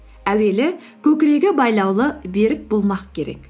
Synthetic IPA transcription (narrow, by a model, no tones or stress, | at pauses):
æwelɪ | kʲɵkʲɾeɡʲɪbɑjlˠɑwlˠəbeɾɪk̚bolˠmɑqkʲʰeɾɛ̰kʲ